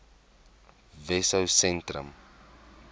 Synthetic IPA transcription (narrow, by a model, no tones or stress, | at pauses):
vɛsəwsɛ̃ntrə̰m